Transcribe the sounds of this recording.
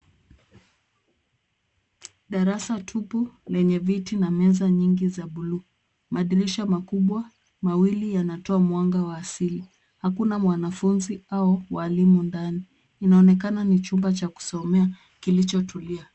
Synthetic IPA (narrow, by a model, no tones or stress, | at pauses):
ɗaɾasatʰupulɛɲɛvitinamɛzaɲiŋɡizaɓuluː | maɗiɾiʃamakuɓwa | mawilijanatɔamwaŋɡawaːsili | hakunamwanafunziaɔwalimundaniː | naɔnɛk̬ananit͡ʃumbat͡ʃaku̥sɔmɛa | kilit͡ʃɔtʰulia